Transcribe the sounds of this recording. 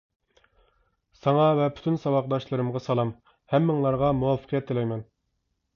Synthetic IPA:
sɑŋɑvɛpʰy̥t̪ʰynsɑwɑq̚d̪ɑʃlˠɨɾɨmʁɑsɑlˠɑm | hɛmːɪŋlˠɑɾʁɑmuwɑfə̥qʰijɛt̪̚ːelɛjmɛn

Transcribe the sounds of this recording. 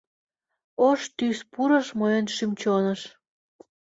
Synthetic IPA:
oʃt̪yspuɾəʃməjənʃymt͡ɕonəʃ

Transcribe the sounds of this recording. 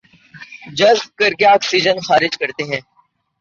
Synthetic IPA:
d͡ʒɐzb̚kəɾɡjaːksiːd͡ʒənxaːɾɪd͡ʒkɐɾt̪eɦɛ̃ː

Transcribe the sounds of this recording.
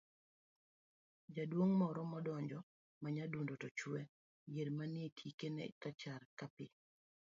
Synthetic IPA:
d͡ʒadwoŋmɔɾɔmɔdɔɲd͡ʒɔ | maɲadundotɔt͡ʃwɛ | jedmanietʰikenḛtat͡ʃarkapɪ

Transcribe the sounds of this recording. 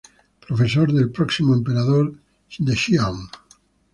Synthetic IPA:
pɾofesoɾðelpɾɔksimoempeɾaðoɾ | d̪eʃiaŋ

